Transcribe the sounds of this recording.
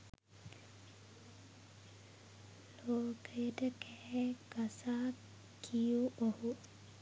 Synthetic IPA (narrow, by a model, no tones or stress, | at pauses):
loːkəjəʈəkɛɡasaː | kʰijuʔohu